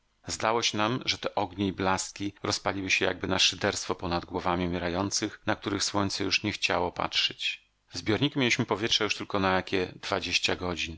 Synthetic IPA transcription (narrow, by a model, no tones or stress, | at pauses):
zd̪awɔɕɛnamʐɛt̪ɛʔɔɡɲeiblast̪̚kʲiɾɔspalʲiwɘɕɛja̰ɡ̚bɘnaʂɘd̪ɛɾst̪fɔpɔnad̪ɡwɔvamʲiumʲjɛɾajɔnt̪sɘxnak̚t̪uɾɘxswɔɲt̪sɛjuʂɲɛxt͡ɕa̰wɔpa̰tʂɛt͡ɕ | zbʲjɔɾɲikʲimʲelʲiɕmɘpɔvʲjɛtʂɛjuʂt̪ɘlkɔnajakʲɛd̪vad͡ʑeɕt͡ɕaɡɔd͡ʑin